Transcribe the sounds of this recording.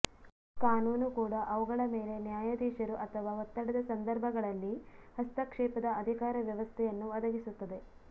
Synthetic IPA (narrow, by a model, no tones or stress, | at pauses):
kaːnuːnukuːɽɐʔɐʋuɡɐɭɐme̞ːle̞njaːjɐd̪iːʃɐɾuʔɐt̪ʰɐʋaːɦot̪ːɐɽɐd̪ɐsɐnd̪ɐɾbʱɐɡɐɭɐlːihɐst̪ɐkʂɛːpɐd̪ɐɐd̪ʱikaːɾɐʋjɐʋɐst̪ʰɛjɐnːuɐd̪ɐɡisut̪ːɐd̪e̞